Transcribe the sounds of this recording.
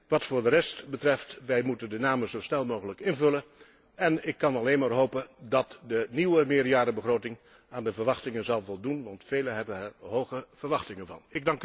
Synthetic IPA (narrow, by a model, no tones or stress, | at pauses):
ʋɑtfʊːɹdərɛstbətrɛftʋɛjmutəndənaːməzowsnɛlˠmowχələkɪnvɵlən | ɛnɪkːɑnɑlejnmaːɹɦowpəndɑtdəniwəmɪːɹjaːdəbəχrowtɪŋ | aːndəvəɹʋɑχtɪŋənzɑlˠvɔlˠdunʋɑntfejlənɦɛbənɛɹɦowχəv̥əɹʋɑχtɪŋənvɑ̰nɪɡ̚dɑŋk